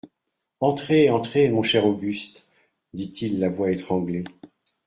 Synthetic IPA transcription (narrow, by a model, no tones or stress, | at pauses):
ɑ̃t̪χeɑ̃t̪χemɔ̃ʃɛʁoɡʲyst̪ | d̪it̪ʰilːavwaet̪χɑ̃ɡle